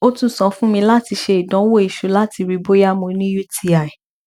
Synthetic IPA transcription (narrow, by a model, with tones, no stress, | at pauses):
o˦tũ˦sɔ̃˨˦fũ˦mĩ˧la˦ti˧ʃe˧i˨dɔ̃˨˦wo˦i˨ʃo˨˦la˦ti˧ɾi˧bo˦ja˦mõ˧˦nĩ˦ju˦tʰi˦a˨